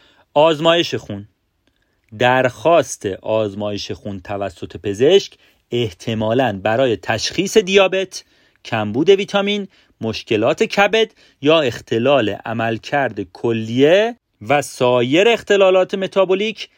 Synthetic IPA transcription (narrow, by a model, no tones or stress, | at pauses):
ʔɒːzmɒːje̞ʃe̞xun | d̪æɾxɒːst̪ʰe̞ʔɒːzmɒːje̞ʃe̞xunt̪ʰævæsːo̞t̪ʰe̞pʰe̞ze̞ʃc | e̞ht̪ʰe̞mɒːlænbæɾɒːje̞t̪ʰæʃxiːse̞d̪ijɒːbe̞t̪ʰ | cʰæmbuːd̪e̞viːt̪ʰɒmiːn | mo̞ʃce̞lɒːt̪ʰe̞cʰæbe̞d̪ | jɒːe̞xt̪ʰe̞lɒːle̞̰ʔæmælcʰæɾd̪ekʰolːije | væsɒːje̞ɾeːxt̪e̞lɒːlɒːt̪ʰe̞me̞t̪ʰɒːboliːcʰ